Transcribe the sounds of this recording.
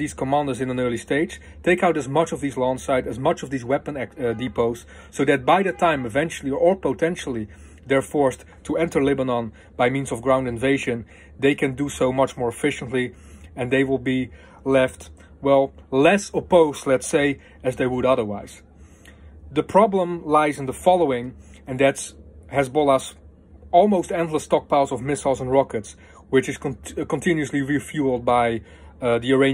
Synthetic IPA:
iz̥kʰəmæ̃ndə˞zɨ̃nɨ̃nɜ˞lˠisteɪd̥d͡ʒ̥ | tʰeɪkaʊɾɨzmʌt͡ʃʌvðiːzlɔ̃ŋsaɪɾɨzmʌt͡ʃʌvðiːzwɛpə̃nædipoʊz̥ | soʊðɨt̚baɪðɨtʰãɪ̃mɨvɛ̃nt͡ʃl̩ˠiə˞poʊtʰɛ̃nʃl̩ˠi | ðɛ˞fɔɹs | tʰuɛ̃ntə˞lɪbənɑ̃n | b̥aɪmĩnzʌvɡɹãʊ̃ndɨ̃nveɪʒɨ̃n | ðeɪkʰɨ̃ndusoʊmʌt͡ʃmɔɹɨfɪʃə̃n̩tli | ɨ̃nðeɪwɪlˠbi | lɛft | wɛlˠlɛsəpoʊstˡlɛtseɪ | ɨzðeɪwəɾʌðə˞wa̰ɪz̥ | ðɨpʰɹ̥ɑblə̃mlaɪzɨ̃n̩ðəfɑlˠoʊɪ̃ŋ | ɨ̃nðɨthɛzbɔlˠəs | ɔlˠmoʊstɛ̃ntˡləstɑk̚pʰaʊzʌvmɪslˠzə̃nɹɑkɨts | wɪt͡ʃɨz̥kkə̃ntʰɪ̃njuɨsliɹifjulˠd̚baɪ | ðiə˞ẽɪ̃

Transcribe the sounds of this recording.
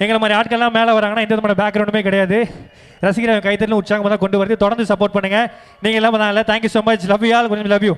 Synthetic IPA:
ɛŋɡɐɭɐmaːd̪ɾiaːʈ̚kɐɭɛlːãːmeːlɐʋɐɾːaːŋɡɐnːaːɪnd̪ɐðɯmaːnɐbaːkːɾɐʊɳɖɯmeːk̬ɪɽɐjaːðɯ | ɾɐsɪɣɪɾãːkɐɪt̪ːɐɾɪlʊ̃ʊʈt͡ʃːaːŋɡɐmɐnd̪ãːkɔɳɖɯʋɐɾɐðːɯt̪ɔɽɐɾd̪ɯsɐpoːɾʈ̚pɐɳːɯːŋɡɐ | niːŋɡɐɛlːãːpɐnaːŋɡɛlːɐt̪ʰaːŋkjuːsoːmɐt͡ʃlɐʋɪjaːlkʊɾɲɪlɐbjũ

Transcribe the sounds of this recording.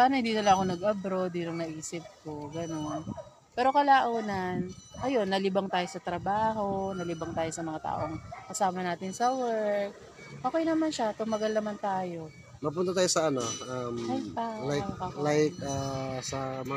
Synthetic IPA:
saːnɐhɪnd̪iːnɐlaʔɐko̞nɐɡʔɐbɾo̞d̪̚ːinɐŋnɐʔiːsɪp̚ko̞ɡɐno̞n | pɛːɾo̞kɐlaːʔoːnɐnʔɐjo̞nːɐlɪbɐŋt̪aːjo̞sɐt̪ɾɐbaːɦo̞nɐlɪbɐŋt̪aːjo̞sɐmɐŋat̪a̰ːʔo̞ʔɐŋkɐsaːmɐnaːt̪ɪnsɐwɛɹk̚ | ʔoːkɛjnɐmanʃat̪ʊmɐɡɐlnɐmant̪aːjo̞ | mɐp̬uːnt̪ɐt̪aːjosɐɐnoʔɐmɐjt̪aːlajlajkasɐm

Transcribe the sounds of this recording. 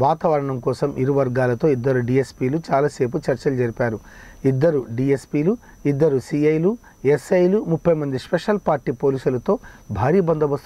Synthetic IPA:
ʋaːt̪aːʋɐɾɐɳɐmkɔːsɐmʔiɾuʋɐɾɡaːlɐt̪o̞ːid̪ːɐɾuɖiːespiːlut͡ʃaːlaːse̞ːp̬ut͡ʃɐɾt͡ʃɐlud͡ʒɐɾipaːɾu | id̪ːɐɾuɖiespiːlu | id̪ːɐɾusiɐjlu | esɐjlumupʰːɐjmɐnd̪ispeʂɐlpaːɾʈːiːpo̞ːliːsulɐt̪o̞ːbʱaːɾiːbɐnd̪ʱɐʋɐst̪

